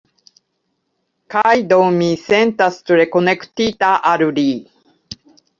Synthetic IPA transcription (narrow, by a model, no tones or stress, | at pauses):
kajd̪omĩsẽnt̪asɨ̥t̪uɾekonekɯ̟̥t̪it̪aʔaɾɯɾiː